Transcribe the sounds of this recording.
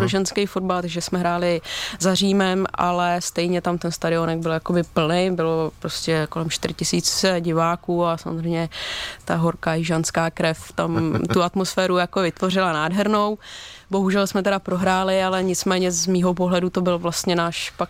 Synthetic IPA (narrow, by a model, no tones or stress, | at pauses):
pɾoʒɛnskejfo̞d̚balt̪aɡʒɛsmɛɦɾaːlɪzariːmɛmʔa̰lɛst̪ɛjɲɛt̪amt̪ɛnst̪aɾɪo̞nɛɡ̚bɪljakobɪpl̩nɪbɪlo̞pɾoscɛko̞lɛmʃt̪ɪɾɪcɪsiːt͡sɟɪvaːkuːasamozrɛjmɲɛt̪aɦo̞ɾkaːjɪʒanskaːkɾɛft̪amt̪uat̪mo̞sfɛːɾujakovɪt̪vo̞r̝ɪlanaːdɦɛɾno̞wbo̞ɦuʒɛlsmɛt̪ɛdapɾo̞ɦɾaːlɪalɛɲɪt͡smɛːɲɛzmiːɦo̞p̬o̞ɦlɛdut̪o̞bɪlvlast̪ɲɛnaːʃpak